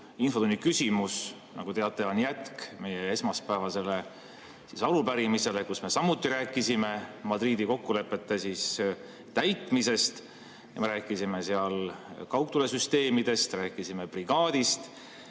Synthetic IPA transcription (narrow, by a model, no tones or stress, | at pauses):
infot̪unːikysʲimus | nɑ̰ɡ̥ut̪e̞ɑt̪ːˑe̞o̞njæt̪kme̞jee̞smɑspæːvɑse̞le̞ | sisɑlupæɾimise̞le̞kusme̞sɑmut̪ːˑiɾæːkːˑisime̞mɑd̪ɾiːd̪iko̞kːule̞pːˑe̞t̪ːesiːs | t̪æjt̪ːˑmise̞st̪ | jɑ̰meɾæːkːˑisime̞seɑlkɑwk̚t̪ulesyst̪e̞ːmid̪̥e̞st̪ræːkːˑisime̞priɡ̥ɑːd̪̥ist̪